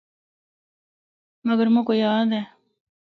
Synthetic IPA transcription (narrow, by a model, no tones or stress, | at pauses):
mɐɡəɾmũkojaːd̪ɛː